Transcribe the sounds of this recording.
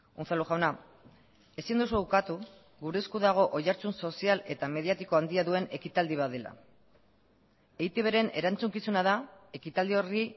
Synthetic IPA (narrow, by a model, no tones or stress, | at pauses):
unθaluʝawna | e̞sind̪usuukat̪u | ɣuɾe̞skuðaɣ̞o̞ʔojaɾt͡sunso̞siale̞t̪ame̞ðiat̪iko̞and̪iaðue̞ne̞kit̪ald̪iβ̞aðe̞la̰ | ejt̪eβe̞ɾe̞ne̞ɾant͡suŋkisunaðae̞kit̪ald̪io̞ri